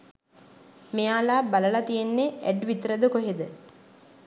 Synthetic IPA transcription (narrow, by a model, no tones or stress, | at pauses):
mejaːlaːbaləlat̪ijenːeʔæɖʋit̪ɾəd̪əkoɦed̪ə